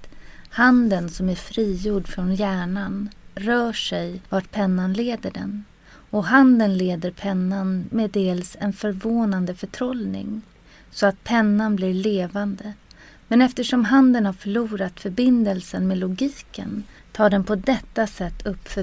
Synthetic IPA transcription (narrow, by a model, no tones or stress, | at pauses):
hand̪ənsɔmæɾfɾiːjuːɖfɾɔnjæːɳanɾœːʂɛjvaʈpʰɛnːanleːd̪əɖɛ̰n | ɔɦand̪ənleːd̪əɾpʰɛnːanmed̪eːlsɛnfœɾvoːnand̪əfœʈʰɾɔlnɪ̰ŋ | sɔat̪̚pʰɛnːanblɪɭeːvand̪ə | mɛnɛft̪əʂɔmɦand̪ənhaɾfœɭuːɾat̪fœɾbɪnd̪əlsənmeːlʊɡiːkə̰nt̪ʰɑːɖɛnpʰɔd̪ɛt̪ːasɛt̪ʰːɵpːfœ